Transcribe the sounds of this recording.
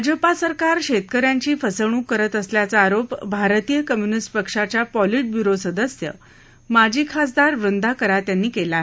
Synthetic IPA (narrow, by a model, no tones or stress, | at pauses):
ad͡ʑəpasəɾkaɾɕet̪kəɾjãɲt͡ɕiːfəsəɳ̃ũːkəɾət̪əsljat͡saːɾopbʱaɾt̪ijəkəmjunisʈpəkʂat͡ɕjapɔliʈ̚bjuɾosəd̪əsjə̰ | mad͡ʑʱiːkʰas̬d̪aɾʋɾənd̪ʱakəɾat̪janːiːkelaɦ